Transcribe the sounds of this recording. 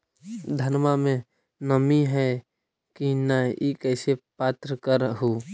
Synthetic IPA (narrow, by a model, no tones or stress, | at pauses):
d̪ʱənmamẽ | nəmiɦɛ | kinaikɛːsepaːt̪ɾəkəɾɦu